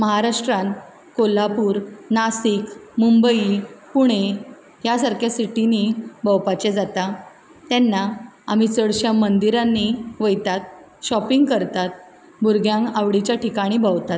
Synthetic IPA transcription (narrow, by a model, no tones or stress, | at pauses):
məɦaɾaʂʈɾan | kolapuːɾnasikmumbəipuɽ̃e | jasaɾkʰjasiʈinibəwpat͡ɕɛd͡zat̪a | t̪ɛnːaamit͡səɽɕamənd̪iɾanːiʋəjt̪at̪̚ | ɕɔpiŋɡkəɾt̪at̪̚ | bʱuɾɡʱjãŋkaʋɽit͡ɕjaʈikaɽ̃ibʱəwt̪at̪̚